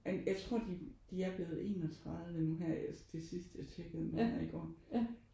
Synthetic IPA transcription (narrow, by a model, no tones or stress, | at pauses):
enjɑ̈ɪt͡sʰʁo̝ɐ̰d̥id̥iæɐb̥le̝ːð̩ˠe̝̰ːnɒt͡sʰʁɑ̈ðˠʋenuɦæɐ̰æsd̥ʰe̝sisd̥jat͡sʰeɡ̥əð̩ˠmhæɐ̰iɡ̥ɒ̰ː